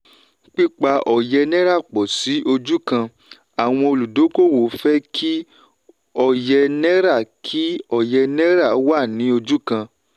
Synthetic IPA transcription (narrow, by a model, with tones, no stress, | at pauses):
k͡pi˦k͡pa˧ʔɔ˨jɛ˧nɛ̃˦ɾa˦˨k͡pɔ˨si˨˦ʔo˧d͡ʒu˦kã˧ | a˨w̃ɔ̃˧o˧lu˨do˨˦ko˦˨wo˨fɛ˦kʰi˦ | ɔ˦˨jɛ˧nɛ̃˦ɾa˦˨kʰi˦ɔ˦˨jɛ˧nɛ̃˦ɾa˦˨˦wa˦˨nĩ˨˦o˧d͡ʒu˦kã˧